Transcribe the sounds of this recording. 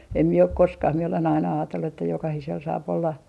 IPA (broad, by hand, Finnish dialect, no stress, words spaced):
em mie ok koskɑh mie olen ɑinɑ ɑːtelːu etːæ jokɑhisel sɑːp olːɑ